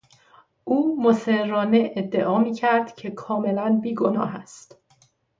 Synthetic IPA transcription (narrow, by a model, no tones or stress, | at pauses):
ʔuːmoseɾrːɒːneʔːd̪ːe̞ʔɒːmiːcʰæɾd̪cʰe̞kʰɒːme̞lænbiːɡo̞nɒ̰ːɦæst̪